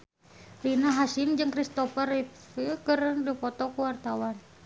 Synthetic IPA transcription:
rinaɦasimd͡ʒɨŋkɾist̪ɔfərit̪fikərdupɔt̪ɔkuwart̪awan

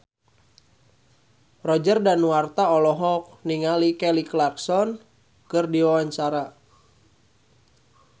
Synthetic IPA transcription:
rɔd͡ʒərdanwart̪aɔlɔɦɔk̚niŋalikɛliklarksɔn | kɨrdiwawaɲt͡ʃaɾa

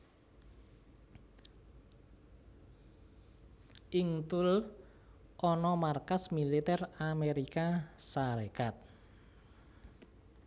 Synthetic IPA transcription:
ʔɪŋt̪ʊl | ʔɔnɔmarkasmilit̪ɛrameɾikasaɾekat̪̚

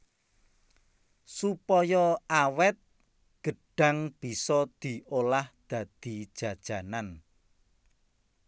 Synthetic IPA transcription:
supɔjɔawɛt̪̚ | ɡ̥ə̤ɖ̥ä̤ŋb̥i̤sɔd̪̥i̤olahd̪̥ä̤d̪̥id̥ʒ̥ä̤d̥ʒ̥a̤nan

